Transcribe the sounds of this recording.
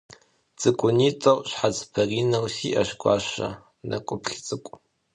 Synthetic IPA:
t͡sʼɨkʷʼʊniːtʼɐwʷʼɕħat͡spʰɐriːnɐwsiːʔɐɕɡʷɑ̰ːɕɐ̰ | nʔɐ̰kʷʼʊpʰχʲt͡sʼɨkʷʼ

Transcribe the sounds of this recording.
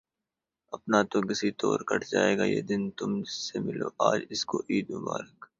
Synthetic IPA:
ɐpnat̪okɪsit̪ɔːɾkɐʈd͡ʒaːeːɡajḛːd̪ɪnt̪ʊmsemɪloːʔaːd͡ʒɪskoʔiːd̪mʊbaːɾək

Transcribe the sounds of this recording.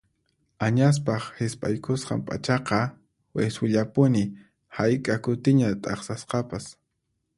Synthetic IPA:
aɲas̬pɑχhɪspʼa̰jkʰosqɑ̰mpʼa̰t͡ʃɑqɑ | wesʊʎapʊnɪ | hajkʼakʊt̪ɪɲat̪ʼɑ̰χsasqɑpas

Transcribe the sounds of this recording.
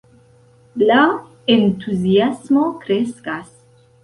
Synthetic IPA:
la | ent̪uzjasmokɾeskas

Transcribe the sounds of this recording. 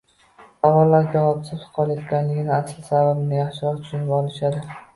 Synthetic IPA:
savɒlːaɾd͡ʒavɒpsʰɪpsqʰɒlˠajɒt̪kʲanlɪɡʲɪnɪaslɪsababɪnɪjaχʃɪɾɒɾt̪ʰʊʃʊnɪbɒlˠɪʃad̪ɪ

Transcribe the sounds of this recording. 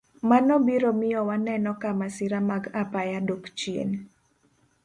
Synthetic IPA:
manɔbiɾomɪjɔwanɛnɔkamasɪɾamaɡapajadokt͡ʃiḛn

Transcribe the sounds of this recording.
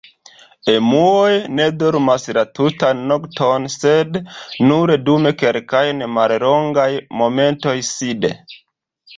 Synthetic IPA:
emuojne̞doɾmaslatutanːoktʰonsednuɾedume̞kelkajnemalɾoŋɡajmo̞me̞nto̞jsidḛ

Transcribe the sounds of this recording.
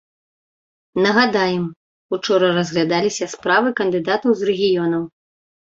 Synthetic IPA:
nɐɣad̪ajɛm | ut͡ʂɔɾɐrɐzɣlʲad̪alʲisʲɐspɾavɨkɐnd̪ɨd̪at̪ɐwzrɛɣʲijɔnɐw

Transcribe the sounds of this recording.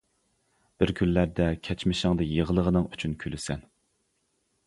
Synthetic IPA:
b̥ɪɾkʲʰyllæɾd̪ɛkʲʰɛt͡ʃmɪʃɪŋd̪ɨjəʁəlˠəʁənɨŋyt͡ʃʰynkʲʰylɪsɛn

